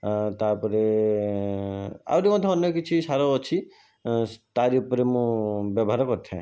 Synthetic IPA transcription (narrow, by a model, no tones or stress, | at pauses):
t̪apɔɾe | a̰wɾimɔt̪ʰɔɔnjɔkit͡ʃʰisaɾoːt͡ʃʰi | t̪aɾiupɾemũbjɔbʱaɾɔkɔt̪ʰɛ̰̃